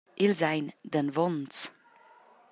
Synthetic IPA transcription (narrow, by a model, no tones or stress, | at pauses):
ʔɪlzaɪndənvɔnt͡s